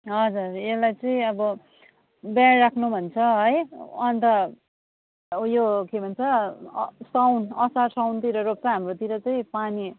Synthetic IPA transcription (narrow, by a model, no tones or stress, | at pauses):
ɦʌd͡zurelajt͡sʌĩʌbʌ | bjaːakʰnubʱʌnt͡sʰʌʌjʌnt̪ʌ | jokebʱʌnt͡sʰʌ | sawnʌsasawnt̪iɾʌɾop̚t͡sʌɦamrot̪iɾʌt͡sʌĩpani